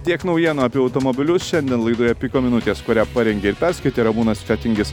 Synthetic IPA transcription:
t̪ʲiɛknɔʊjiɛnoːɐpʲiɛɐʊt̪omoːbʲɪlʲʊsʃʲɛnd̪ʲiɛnlˠɐɪd̪uːjɛpʲikoːmʲɪnʊt̪ʲeːskoɾʲæːpɑɾʲɛŋʲɡʲeːɪɾpʲɛɾskɐɪt̪ʲeːɾɐmuːnɐsfʲæːt̪ʲɪŋʲɡʲɪs

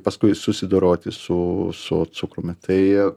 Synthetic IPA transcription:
pɐskʊɪsʊsʲɪd̪oːɾoːt̪ʲɪsʊsʊ̰t̪sʊkɾʊmʲɪt̪ʰɐɪ

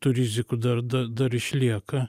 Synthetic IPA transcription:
t̪ʊɾʲɪzʲɪkʊd̪ɐɾd̪ɐd̪ɐɾɪʃʲlʲiɛkɐ

